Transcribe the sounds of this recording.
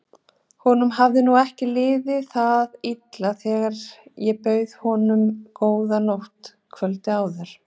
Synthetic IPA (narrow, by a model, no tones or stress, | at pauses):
hɔn̪ʏmɦavðɪnuɛhcɪlɪːðɪθaðit̪laθɛːɣaɾjɛpœːɥðhɔːnʏmkoːwðanowht̪ | kʰvœlt̪ɪawðɛɾ̥